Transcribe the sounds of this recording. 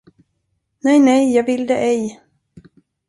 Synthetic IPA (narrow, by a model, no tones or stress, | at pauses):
nɛjnɛjjɑːɡvɪld̪ɛʔɛj